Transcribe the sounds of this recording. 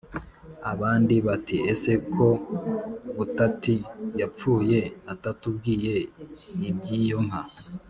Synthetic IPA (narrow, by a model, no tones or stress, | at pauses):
aβaːndiβatiese̞kʰo̞ | butatijap͡fuːje̞atatub̚ɡiːje̞ibɟiːjo̞ŋ̥ha